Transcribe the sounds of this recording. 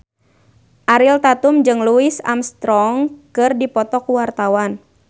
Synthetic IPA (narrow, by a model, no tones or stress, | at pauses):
ʔaɾilt̪at̪umd͡ʒɨŋluɪsa̰mst̪ɾɔŋkɨrdipɔt̪ɔkuwart̪awan